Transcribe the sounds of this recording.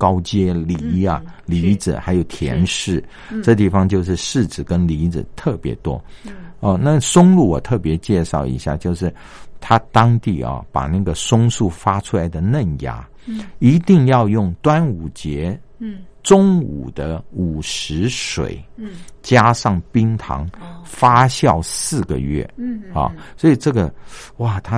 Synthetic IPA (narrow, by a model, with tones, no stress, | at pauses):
kɑ˥ʊt͡ɕjɛ˥li˧˥ɐ˨ | li˧˥d͡z̩˨˩xa˧˥ɪjo˨˩ʊt̪ʰjɛ̰˧˥nʂɻ̩˥˩ | ʈ͡ʂɤ˥˧t̪i˥˩fɑ˧ŋt͡ɕjo˥˧ʊʂ̬ɻ̩˥˧ʂɻ̩˥˩t͡sɹ̩˨˩kə˥nli˧˥d͡z̩˨˩t̪ʰɤ˥˩pjɛ̰˧˥t̪wɔ˥ə˧˩na˥˩sʊ˥ŋlu˥˩wɔ̰˨˩t̪ʰɤ˥˩pjɛ˧˥t͡ɕjɛ˥˧ʂɑ˥˩ʊḭ˧˥ɕja̰˥˩t͡ɕjo˥˧ʊʂɻ̩˥˩ | t̪ʰa˥t̪ɑ˥ŋt̪ḭ˥˩ɐ̰˨˩pa̰˨˩na˥˩ɡə˩sʊ˥ŋʂu˥˩fa˥ʈ͡ʂʰu˥la˧˥ɪd̪ə˧˨nə˥˩nja̰˥ | i˧˥t̪i˥˧ŋjɑ˥˧ʊjʊ˥˩ŋt̪wa˥nu˨˩t͡ɕjɛ˧˥ | ʈ͡ʂʊ˥ŋṵ˨˩d̪̥ə˦u˨˩ʂɻ̩˧˥ʂwḛ˨˩˦ɪt͡ɕja˥ʂɑ˥˩ŋpi˥ŋt̪ʰɑ̰˧˥ŋfa˥ɕjɑ˥˩ʊsɹ̩˥˩ɡə̰˨˩ɥɛ̰˥˩ɑ̰˨˩swɔ˧˥i˨˩ʈ͡ʂɤ˥˩ɡə˩ | wa˥˩t̪ʰa˦˥